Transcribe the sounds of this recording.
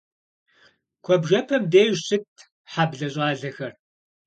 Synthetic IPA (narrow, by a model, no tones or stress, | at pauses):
kʷʰɔbʒɐpʰɐmdeːʒsɨtʰ | ħabɮɐɕʼaːɮɐxɐr